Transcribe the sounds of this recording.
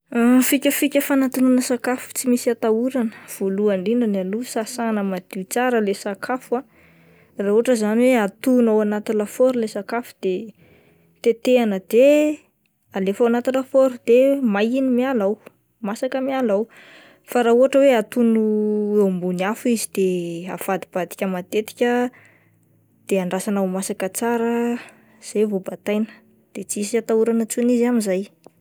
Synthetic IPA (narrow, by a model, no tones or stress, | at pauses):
fikʲəfikʲəfanat̪inunəsakafu̥t͡simisiat̪auɾanə̥v̥oluaɳɖ͡ʐiɳanalusasanəmad̪̥it͡saɾəlesakʰafa | rauɦaʈ͡ʂəzaniweat̪unawanat̪ilafoɾulesakafu̥d̪̥e | t̪et̪eanəd̪e | alefawanat̪ilafoɾud̪̥emajinimialaw | masakəmialaw | faɾauɦaʈ͡ʂəweat̪unuewmbuniafizid̪̥ea̰fad̪ib̥ad̪i̥kʲəmat̪et̪i̥kʲə | d̪̥eaɳɖ͡ʐasanawmasakət͡saɾə | z̥ajvobat̪ajnə̥ | d̪̥et͡sisiat̪auɾanət͡sunizamizaj